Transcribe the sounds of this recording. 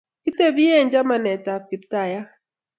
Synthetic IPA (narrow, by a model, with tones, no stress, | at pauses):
ki˦te˦bi˦e˦˨ɲd͡ʒa˦ma˨nɛ˨ta˨p̚ki˨pta˨ja˦